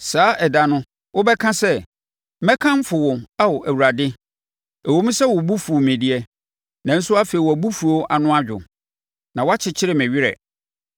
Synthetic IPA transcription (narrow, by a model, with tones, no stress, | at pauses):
saː˨˦ʔɛ˨da˦nʊ̃˦ | wʔʊ˦bɛ˦kʰã˦sɛ˦ | mɛ̃˦kʰã˦m˦fʊ˨wʊ̃˨a˦wʊ˨ʔæ˨wu˨ɾa˨dɪ˦ | æ˨wo˦m˦sɛ˦wʊ˨bu˦fu˨mẽ˨di˨ɛ˦ | nã˨n̩˦sʊ˦a˦fe˨i˨wɔ˨æ˨bu˦fu˨ɾo˦ʔa˨nʊ̃˦a˦d͡ʑᶣʊ̰˨ | nã˨wa˦t͡ɕʰɪ˨t͡ɕʰɪ˦ɾɪ˨mɛ̃˨ɥɪ˦ɾɛ̰˨